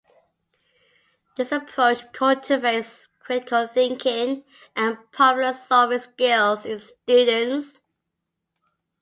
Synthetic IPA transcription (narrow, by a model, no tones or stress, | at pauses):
d̥ɪsəpʰɹ̥oʊt͡ʃkʰʌltʰəves | kʰɹ̥ɪtɪkʰəlˠθɪ̃ŋkʰɪ̃ŋ | ʔə̃npʰɔpjləsɜvɪsɡɪlˠzɪ̃nstjʉdə̃ns